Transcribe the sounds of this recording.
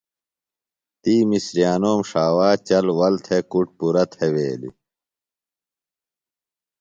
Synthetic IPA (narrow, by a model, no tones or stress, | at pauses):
t̪iːmisɾijaːnoːmʂaːwaːt͡ɕɐlwɐlt̪ʰekuʈ̚puɾɐt̪ʰeweːlḭ